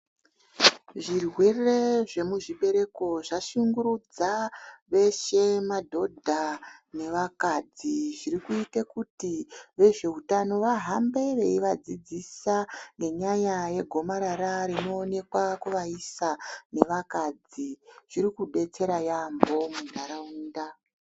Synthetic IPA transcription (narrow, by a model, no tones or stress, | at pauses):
ʐirwe̞re̞ʐe̞muʐiɓe̞ɾe̞ko̞ʐaʃuŋɡuɾud͡zaʋe̞ʃe̞madʱo̞dʱane̞ʋakad͡ziʐirikuitekutiʋe̞ʐe̞ɦutano̞ʋaɦambe̞ʋe̞iʋad͡zid͡zisaŋɡe̞ɲajaje̞ɡʱo̞maɾaɾaɾino̞ːne̞kwakuʋaisane̞ʋakad͡ziʐ̥iɾikuɓe̞t͡se̞ɾajambo̞mudʱaɾauːnda